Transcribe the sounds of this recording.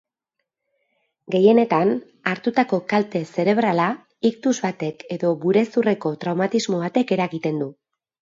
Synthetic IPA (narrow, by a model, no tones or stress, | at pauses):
ɡe̞je̞ne̞t̪an | aɾt̪ut̪ako̞kalt̪e̞se̞ɾe̞βɾala | ikt̪uzβat̪e̞ke̞ðo̞βuɾe̞sure̞ko̞t̪ɾawmat̪izmo̞β̞at̪e̞ke̞ɾaɣit̪e̞nd̪u